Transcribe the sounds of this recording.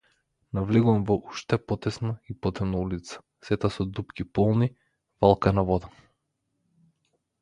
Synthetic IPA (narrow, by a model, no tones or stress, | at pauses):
navliɡuvamvɔʔuʃt̪ɛpɔt̪ɛsnaipɔt̪ɛmnaulit̪sḁ | sɛt̪asɔd̪upkʲipɔlˠni | valˠkanavɔd̪a